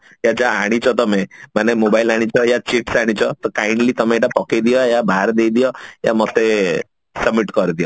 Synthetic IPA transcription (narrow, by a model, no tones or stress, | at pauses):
jad͡ʒaaɽ̃it͡ʃʰɔt̪ɔmemanemobajlaɽ̃it͡ʃʰɔjat͡ʃiʈsaɽ̃it͡ʃʰɔt̪ɔkajɳɖlit̪ɔmẽːʈapɔkejd̪ijɔjabʱaɦaɾd̪ejd̪ijɔja̰mɔt̪e | səbmiʈkɔɾd̪ijɔ